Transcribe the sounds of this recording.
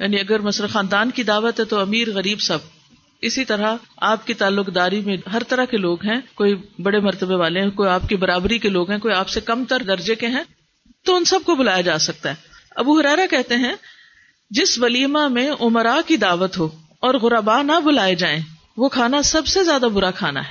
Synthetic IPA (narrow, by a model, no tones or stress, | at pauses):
jaːniɐɡəɾmɐsləxãːnd̪aːnkid̪aːʋət̪ɦɛ̃t̪oɐmiːɾɣɐɾiːbsɐb̚ | ɪsit̪ɐɾaaːp̚kit̪aːlːʊqd̪aːɾimẽɦɐɾt̪ɐɾakeloːɡɦɛ̃koːibɐɽemɐɾt̪əbeʋaːleɦɛ̃koːiaːp̚kibɐɾaːbɾikeloːɡɦɛ̃koːiaːpsekɐmt̪ɐɾd̪ɐɾd͡ʒekeɦɛ̃ | t̪oʊnsɐb̚kobʊlaːjad͡ʒaːsɐk̚t̪aɦɛːɐbuɦʊɾɛːɾakɛɦt̪eɦɛ̃ | d͡ʒɪsʋɐliːmamẽʔʊmɾakid̪aːʋət̪ɦoː | ɔːɾɣʊɾaːbaːnabʊlaːed͡ʒaːẽː | ʋokʰaːnasɐbsezjaːd̪abʊɾakʰaːna̰ɦɛː